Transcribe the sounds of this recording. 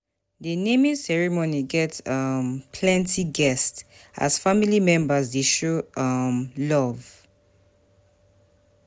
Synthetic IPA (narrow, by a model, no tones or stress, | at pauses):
denemĩsɛɹimoniɡɛtʌmpʰlɛ̃ntʰiɡɛsta̰z̥familimɛ̃mbəzdeʃoʌmlɔv